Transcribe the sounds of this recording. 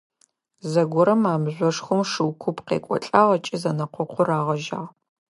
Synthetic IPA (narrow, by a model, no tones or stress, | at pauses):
zɐɡʷʊɾɐmaːmʑʷɔʂxʷʊmʂɨwkʷʰʊpqḛːkʷʼɔ̰ɬʼaːʁɐt͡ʃʼɪzɐnɐqʷɔqʷʰʊraːʁɐʒa̰ːʁ